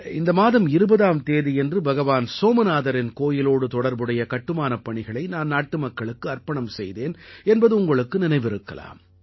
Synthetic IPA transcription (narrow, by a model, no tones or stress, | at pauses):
ɪnd̪ɐmaːðɐmɪɾɯbɐðaːmt̪eːðiɛndrɯbɐɣɐʋaːnsoːmɐnaːðɐɾɪnkoːjɪloːɽɯt̪ɔɽɐɾbɯɽɐjɐkɐʈːɯmaːnɐpːɐɳɪɣɐɭɐɪnaːnnaːʈːɯmɐkːɐɭɯkːɯɐrpɐɳɐmsɛjðeːnɛnbɐðɯʊŋɡɐɭɯkːɯnɪnɐɪʋɪɾɯkːɐ̰la̰ːm